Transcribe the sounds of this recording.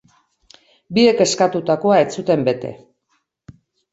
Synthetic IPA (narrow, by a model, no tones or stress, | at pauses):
bie̞ke̞skat̪ut̪ako̞ae̞t͡sut̪e̞mbe̞t̪e̞̰